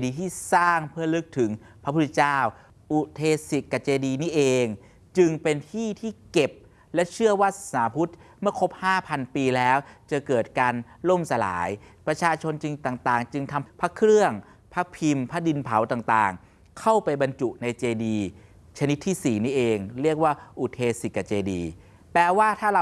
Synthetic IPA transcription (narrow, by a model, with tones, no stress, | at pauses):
diː˧t̪ʰiː˥˩saː˥˩ŋpʰɯ˥˩ɐlɯ˦˥k̚t̪ʰɯ˩˦ŋ | pʰɾa˦˥pʰu˥t̪t͡ɕaː˥˩w | ʔu˨˩t̪ʰeː˧si˨˩t̪̚ka˨˩t͡ɕeː˧diː˧niː˦˥˩ʔeː˧ŋ | t͡ɕɯ˧ŋpe˧nt̪ʰiː˥˩t̪ʰiː˥˩ke˨˩p̚ | lɛ˦˥t͡ɕʰɯ˥˩əwaː˥˩saː˩˦pʰu˦˥t̪̚mɯ˥˩ɐkʰo˦˥p̚haː˥˩pʰa˧npiː˧lɛː˦˥wt͡ɕa˨˩kɤː˨˩t̪̚kaː˧nlo˥˩msa˧la̰ː˩˦jpɾa˧t͡ɕʰaː˧t͡ɕʰo˧nt͡ɕɯ˧ŋt̪aː˨˩ŋt̪aː˨˩ŋt͡ɕɯ˧ŋt̪ʰa˧mpʰa˦˥kʰɾɯ˥˩əŋ | pʰa˦˥pʰi˧mpʰa˦˥di˧npʰa˩˦wt̪aː˨˩ŋt̪aː˨˩ŋ | kʰa˥˩wpa˧jba˧nt͡ɕu˨˩ʔna˧jt͡ɕeː˧diː˧ | t͡ɕʰa˧ni˦˥t̪ʰːiː˥˩siː˨˩niː˦˥ʔeː˧ŋɾi˥˩ək̚waː˥˩ʔu˨˩t̪ʰeː˧si˨˩kːa˨˧˩t͡ɕeː˧diː˧ | pɛː˨˩waː˥˩t̪ʰaː˥˩a˧